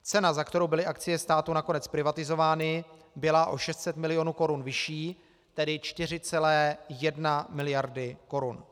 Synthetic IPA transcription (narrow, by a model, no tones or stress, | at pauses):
t͡sɛnazakt̪ɛɾowbɪlɪʔakt͡sɪjɛst̪aːt̪unako̞nɛt͡spɾɪvat̪ɪzo̞vaːnɪ | bɪlaʔo̞ʃɛst̪sɛt̪mɪlɪjo̞nuːko̞ɾunvɪʃiː | t̪ɛdɪt͡ʃt̪ɪr̝ɪt͡sɛlɛːjɛdnamɪlɪjaɾdɪko̞ɾun